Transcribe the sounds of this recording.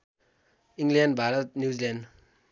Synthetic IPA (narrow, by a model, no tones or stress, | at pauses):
iŋɡlenɖbʱaɾət̪̚njuzilen